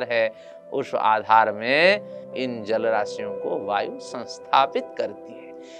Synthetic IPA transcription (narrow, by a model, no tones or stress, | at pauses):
ɾɦɛ | ʊ̰ʃa̰ːd̪ʱaːɾmẽɪnd͡ʒɐlɾaːsijõkoʋaːjusə̃nst̪ʰaːpɪt̪kɐɾt̪iɦɛː